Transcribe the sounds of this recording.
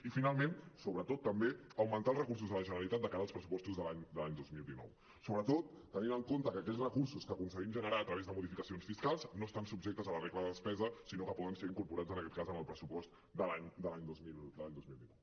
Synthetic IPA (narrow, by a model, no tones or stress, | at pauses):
ifinalˠmensoβɾət̪ot̪ːəmbeəwmənt̪alˠrəkuɾs̬uzðələʒənəɾəlit̪at̪̚d̪əkaɾəlˠspɾəsupɔst̪uzðəlaɲd̪əlaɲd̪ozmilˠd̪inɔ̰w | soβɾət̪ot̪ːəninəŋkont̪əkəkɛsrəkuɾsuskəkunsəɣimʒənəɾaət̪ɾəβezðəmuðifikəsionsfiskalˠznoəst̪ansub̚ʒekt̪əzələrɛɣləðəðəspɛzəsinokəpɔðənseɾiŋkuɾpuɾad͡zənəkɛt̪̚kazəməlˠpɾəsupɔst̪ | d̪əlaɲd̪əlaɲd̪ozmild̪əlaɲd̪ozmilˠd̪inɔww